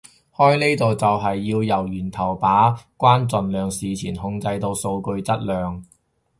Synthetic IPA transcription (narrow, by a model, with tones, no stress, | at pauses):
hɔː˥jne˥jt̪o˨wt͡sɐ˨wɦɐ˨jːiː˧wjɐ˨˩wjyː˨˩nt̪ʰɐ˨˩wpaː˨˥kʷwaː˥nt͡sɵ˨nlœː˨ŋsiː˨t͡sʰiː˨˩nhʊ˧ŋt͡sɐ˧jt̪o˧wso˧wkɵ˧ɥt͡sɐ˥t̚lœː˨ŋ